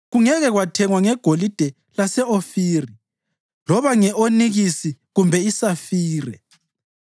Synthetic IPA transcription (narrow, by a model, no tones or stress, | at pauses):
ɣuŋɛɣɛɣwatʰɛŋwaŋɛɡ̥ʱolid̥ʱɛ | lasɛofiːri | lɔβaŋɛʔoniɣisiɣumbʱɛisafiːrɛ